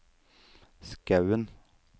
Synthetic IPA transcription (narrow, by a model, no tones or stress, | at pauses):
skɑʉən